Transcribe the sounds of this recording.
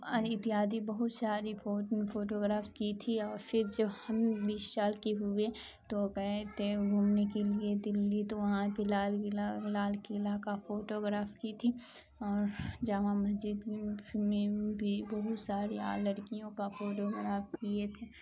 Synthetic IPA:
ɐɾɪt̪iaːd̪ibɐɦʊt̪saːɾifoːfoːʈoːɡɾaːfkit̪ʰiɔːɾfɪɾd͡ʒɐbhɐmbiːʃʃaːlkiɦʊe | t̪okɛɦet̪eɡʱuːmnekelied̪ɪlːit̪oʋɐɦãkilaːllaːlkelaːkafoːʈoːɡɾaːfkit̪ʰi | ɔːɾd͡ʒɐʋãmɐsd͡ʒɪd̪mẽbʱibɐɦʊt̪saːɾea̰lɐɾkijõkafoːʈoːɡɾaːfkiet̪ʰeː

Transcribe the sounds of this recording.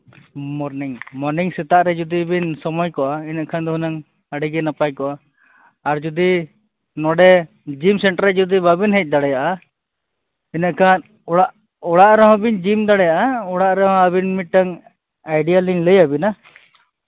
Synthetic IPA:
mɔɾniŋmɔɾniŋsɛt̪aʔɾɛd͡ʒɔd̪ibinsɔmɔjkɔʔainaʔkʰand̪ɔɦunaŋ | əɖiɡɛnapajkɔʔaː | ɾd͡ʒɔd̪i | nɔɖɛ | d͡ʒimsɛɳʈɾald͡ʒɔd̪ibabinɦɛc̚d̪aɽɛjaʔa | inaʔkʰan | ɔɽaʔ | ɔɽaʔɾɛɦɔ̃bind͡ʒimd̪aɽɛjaʔaɔɽaʔɾɛɦɔ̃əbinmiʈaŋ | ajɖijalinləjabina

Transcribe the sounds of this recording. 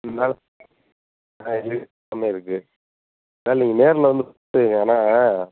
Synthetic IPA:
naːl | aɪlːi | ɐmeːɪɾɯkːɯ | naːlniːŋɡɐneːɾlɐʋɐnd̪ɯtːɯiŋɡɐaːnaː

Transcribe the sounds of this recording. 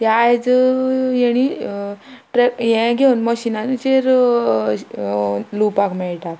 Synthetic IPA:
t̪ajd͡z | jɛɽ̃i | ʈɾejɛ̃ɡʱeunməɕinanit͡ɕeɾ | lupakmɛɭʈat̪

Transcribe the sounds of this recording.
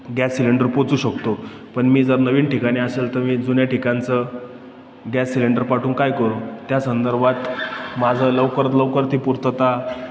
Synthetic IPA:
ɡɛsːileɳɖəɾpot͡suːɕəkt̪o | pəɳmiːd͡zəɾnəʋiːnʈikaɽ̃ĩəselt̪əɾmiːd͡zunjaʈikant͡sə | ɡɛsːileɳɖəɾpaʈʰuːnkajkəɾut̪jasənd̪əɾbʱat̪mad͡zʱələʋkəɾət̪ləʋkəɾt̪iːpuɾt̪ət̪a

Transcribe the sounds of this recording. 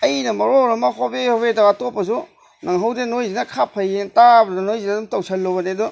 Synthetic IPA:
ɐjnɐmɐɾoɾɐmɐɦobehoβedaatopːɐsu | naŋɦɐwdenojzinɐkʰapʰɐjentabɐdnɐnojziadumtɐwsʰɐlːobɐnedɔ

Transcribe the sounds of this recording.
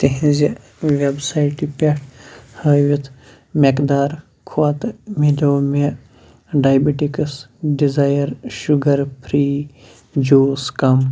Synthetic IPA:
t̪eɦĩzi | ʋebsaːjʈipeʈʰhəʋit̪ʰ | mekd̪aːɾ | kʰoat̪miloːme | ɖaːjbiʈikɐs | ɖizaːjɐɾʃuɡɐɾpʰɾiː | d͡ʒoːskɐm

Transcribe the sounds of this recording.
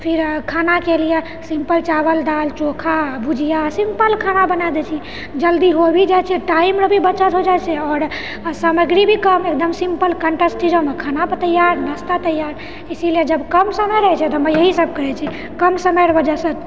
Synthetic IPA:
pʰiɾkʰanakelije | simpəlt͡ʃabəld̪alt͡ʃokʰabud͡ʒʱijasimpəlkʰanabənad̪ɛt͡ʃʰi | d͡ʒəld̪iɦobʱid͡ʒajt͡ʃʰɛʈaimɾəbʱibət͡ʃət̪ɦod͡ʒat͡ʃʰɛɔːɾ | səməɡɾibʱikəmek̚d̪əmsimpəlkəɳʈesʈid͡ʒawmekʰanapət̪əjaɾnəst̪at̪əjaɾ | isilied͡ʒəbkəmsəməɾəɛt͡ʃʰɛt̪əməjəɦisəb̚ʱkəɾɛt͡ʃʰɛ | kəmsəməɾəbəd͡ʒasət̪

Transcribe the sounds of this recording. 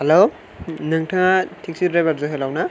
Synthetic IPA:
helo | nɯŋtʰɯŋatʰiŋsiɾɾajbaɾzoɦelawna

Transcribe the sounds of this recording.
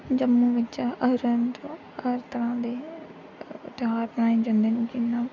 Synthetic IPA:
d͡ʒəmːuːʋɪt͡ʃəɾənt̪õ | ɾt̪əɾãːd̪eː | t̪ɪɦaːɾbənaːĩːd͡ʒə̃nd̪eːnĩkɪnːaː

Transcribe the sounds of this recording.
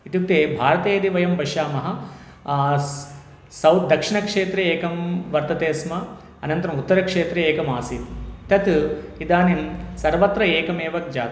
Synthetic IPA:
it̪juk̚t̪eːbʱaːɾɐt̪eːɐd̪iʋɐjɐmbɐʃaːmɐɦɐ | sɐwt̪̚d̪ɐkʂiɳɐkʂeːt̪ɾeeːkɐmʋɐɾt̪ɐt̪eːsmɐ | ɐnɐnt̪ɐɾɐmut̪ːɐɾɐkʂeːt̪ɾeeːkɐmaːsiːt̪it̪ɐt̪id̪aːninsɐɾʋɐt̪ɾɐeːkɐmeːʋɐk̚d͡ʒaːt̪

